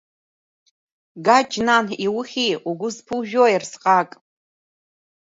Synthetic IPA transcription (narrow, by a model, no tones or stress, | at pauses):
ɡad͡ʒnaniwʊχʲiuɡʷʊzpʰɨʒᶣoirsqʼakʼ